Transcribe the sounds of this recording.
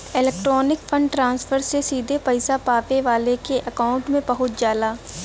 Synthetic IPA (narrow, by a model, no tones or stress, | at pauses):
ɪlɛːk̚ʈɾɔːnɪkfʰə̃ɳɖʈɾãːnsfʰəɾsesiːd̪ʱepɐɪsapaːpeʋaːlekeʔɐkaːʊ̃ɳʈmẽbɐɦʊt̪d͡ʒjaːd̪aː